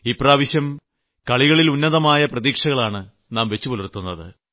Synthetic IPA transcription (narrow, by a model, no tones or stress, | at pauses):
iːpraːʋiɕjɐm | kɐɭiɣɐɭilunːɐðɐmaːjɐprɐðiːkʂɐɣɐɭaːɳɨ | naːmʋe̞t͡ɕːupolirt̪ːunːɐðɨ̰